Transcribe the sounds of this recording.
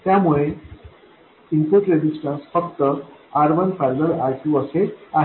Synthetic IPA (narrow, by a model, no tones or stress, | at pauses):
t̪jamuɭe | impoʈɾed͡ʑisʈãnsfəkt̪əaɾʋənfaɾd̪əɾaɾʈʰuəsea